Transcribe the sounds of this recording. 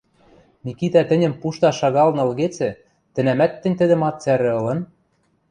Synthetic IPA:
mʲikit̪æt̪ɘ̆nʲɘ̆mpuʃt̪ɑʃɑɣɑlnɤ̆ɤ̆lɣet͡sɘ̆ | t̪ɘ̆næmæt̪ːɘ̆nʲt̪ɘ̆d̪ɘ̆mɑt̪̚t͡sæɾɘ̆ɤ̆lɤ̆n

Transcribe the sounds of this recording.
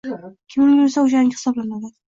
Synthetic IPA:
kʲʰɪmbʲeɾsaʊd͡ʒanɪhɨ̥sɒblanad̪ad̪ɪ̥

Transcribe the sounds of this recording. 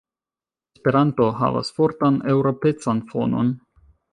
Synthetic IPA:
espe̞ɾanto̞ɦa̰va̰sfo̞ɾtanewɾo̞pe̞t͡sanfo̞no̞̰n

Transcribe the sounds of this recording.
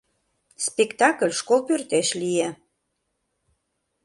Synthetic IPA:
spekt̪ɑkəlʲʃkolpørt̪eʃlije

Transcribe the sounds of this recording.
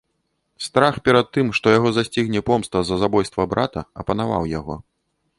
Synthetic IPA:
st̪ɾaxpʲɛɾɐt̪ːɨmʂt̪ɔjaɣɔzasʲt͡sʲiɣnʲɛpɔmst̪vɐzɐzabɔjst̪vɐbɾa̰t̪ɐ̰ɐ̰pɐnava̰wjaɣɔ̰

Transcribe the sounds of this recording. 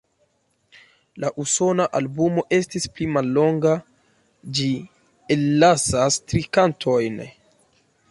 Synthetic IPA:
laʔuso̞naʔalbumo̞ʔe̞stisplimalːo̞ŋɡa | d͡ʒi | elːasastɾikantʰo̞jn

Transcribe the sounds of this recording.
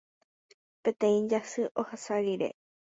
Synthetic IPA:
pẽt̪ẽ̞ĩd͡ʒasɨʔohasaɾiɾḛ

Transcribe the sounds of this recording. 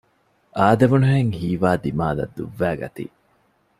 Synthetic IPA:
ʔaːd̪ɐʋunuɦeŋhiːʋaːd̪imaːlɐ̰d̪ːuʋːæːɡɐ̰t̪ḭː

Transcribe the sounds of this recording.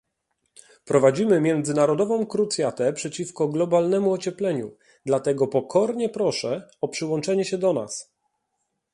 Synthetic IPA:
pɾɔvad͡ʑimɘmʲjɛnd̪zɘnaɾɔd̪ɔvɔ̃w̃kɾut̪sʲjat̪ɛpʂɛt͡ɕifkɔɡlɔbalnɛmuɔt͡ɕɛplɛɲṵ | d̪lat̪ɛɡɔpɔkʰɔɾɲɛpɾɔʂɛɔpʂɘwɔnt͡ʂɛɲɛɕɛd̪ɔna̰s

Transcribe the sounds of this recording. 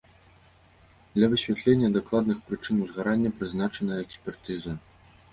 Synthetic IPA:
d̪lʲɐvɨsʲvʲat̪lʲenʲːɐd̪aklˠad̪nɨxpɾɨt͡ʂɨnwzɣaɾanʲːɐpɾɨznat͡ʂɐnɐjɐɛksʲpʲɛrt̪ɨzɐ

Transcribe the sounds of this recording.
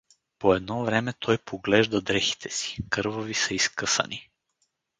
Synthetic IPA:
poɛd̪nɔvɾɛmɛt̪ʰɔjpʰoɡlɛʒd̪ɐd̪ɾɛxi̥t̪ʰɛsi̥kɤɾvovisɐiskɤsə̰ni

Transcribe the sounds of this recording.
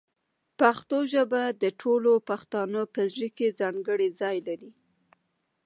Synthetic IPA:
paxt̪oʒəbad̪əʈʰolopaxt̪ɑnəpəzɽikezɑŋɡəɽizɑjlaɾi

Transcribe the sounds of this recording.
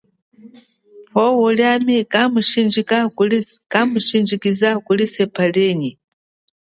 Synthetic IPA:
pʰɔwuljamikamut͡ʃind͡ʒika | kamut͡ʃind͡ʒikizakulisɛpʰaleːɲi

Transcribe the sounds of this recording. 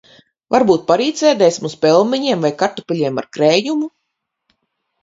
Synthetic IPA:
vaɾbuːt̪̚paɾiːt̪sɛːd̪ɛjsʲmuspʲɛlˠmʲiɲiɛmvajkaɾt̪upʲɛlʲiɛma̰ɾkɾɛːjumu

